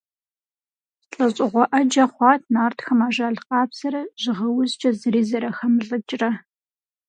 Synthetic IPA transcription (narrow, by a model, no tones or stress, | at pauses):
ɬʼɐɕʼɪʁʷɔʔɐd͡ʒɐχʷɑːt̚ʰnaːrtxɐmaːʒaːɮqɑːbz̥ɐɾɐʒ̥ɪʁɐwʊzt͡ʃʼɐzɨriːzɐɾɐxɐmɮʼɨt͡ʃʼrɐ